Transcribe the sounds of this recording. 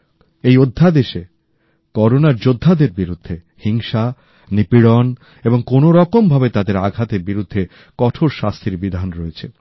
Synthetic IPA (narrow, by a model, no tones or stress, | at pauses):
ejod̪ʱːad̪eʃe | kɔɾonaɾd͡ʑod̪ʱːad̪eɾbiɾud̪ʱːe | hiŋʃa | nipiɽon | eboŋkonoɾɔkombʱabet̪ad̪eɾaɡʱat̪eɾbiɾud̪ʱːe | kɔʈʰoɾʃast̪ʰiɾbid̪ʱanɾoet͡ɕʰe